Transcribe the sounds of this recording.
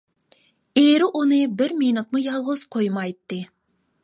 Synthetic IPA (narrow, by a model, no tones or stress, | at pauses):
eɾɪʔunɨbɪɾminut̪̚mujɑlˠʁʊz̥qʰojmɑjt̪ːɨ